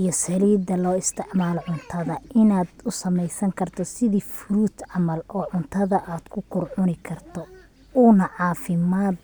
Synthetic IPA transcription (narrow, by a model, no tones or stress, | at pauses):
ijɞsɐliːd̪ɐlɔːɪst̪ʰɪʕmaːlɔʕʊnt̪ʰɐðɐʔɪnaːd̪ʊsɐmɛjsɐŋkʰɐrt̪ʰɔsɪðiːfʊɾuːt̪ʕɑmɐlɔːʕʊnt̪ʰɐðɐʔaːd̪̥kʰʊkʰʊrʕʊnɪkʰɐrt̪ʰɔ | uːnɐʕɑːfɪmaːd̪